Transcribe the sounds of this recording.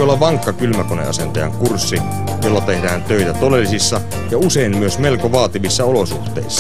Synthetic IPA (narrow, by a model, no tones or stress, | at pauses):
olːɑʋʋɑŋkːɑkylmækonḛɑ̰sent̪ɑjɑ̰ŋkursːi | jolːɑt̪ehdæːnt̪øit̪æt̪odelːisisːɑ | jɑuseimmyøsme̞lkoʋɑːt̪iʋisːɑolosuht̪ḛissːɑ